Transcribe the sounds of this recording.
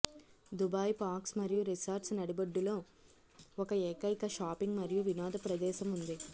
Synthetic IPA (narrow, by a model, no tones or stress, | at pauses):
d̪ubaːjpaːksmɐɾijuɾisɐɾʈsnɐɽibɐɖːulo̞ː | ɔkɐɛːkɐjkɐʃaːpiŋɡmɐɾijuʋinaːd̪ɐpɾɐd̪ɛːʃɐmund̪i